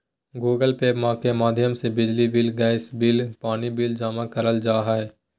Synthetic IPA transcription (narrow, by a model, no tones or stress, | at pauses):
ɡuːɡəlpeːbmaːkemaːd̪ʱjəmsebɪd͡ʒlibɪlɡaːɪsbɪlpaːnibɪld͡ʒaːmãkəɾəld͡ʒaːɦaɛ